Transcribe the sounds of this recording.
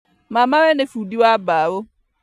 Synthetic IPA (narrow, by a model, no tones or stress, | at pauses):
mãmãwɛnefudiwabawo